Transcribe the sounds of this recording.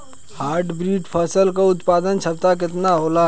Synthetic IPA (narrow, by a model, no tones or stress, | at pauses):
haːɾʈbɾiːʈpʰəsəlkaʊt̪paːd̪ənt͡ʃʰɐb̚t̪ak̬ɪt̪naɦoːlaː